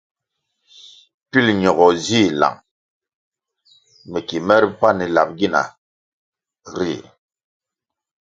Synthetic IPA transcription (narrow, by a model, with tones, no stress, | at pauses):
pi˦lɲɔ˨ɡɔ˨zi˦˨la̰˨ŋ | mɛ˨ki˨mɛ˦ɾpa˦ni˨la˨p̚ɡi˦na̰˨ | ɾi˦˨